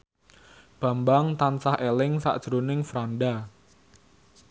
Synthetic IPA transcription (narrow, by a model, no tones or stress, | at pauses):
b̥a̤mbaŋt̪ansahʔelɪŋsa̰ʔd̥ʒ̥əɾonɪŋfɾanda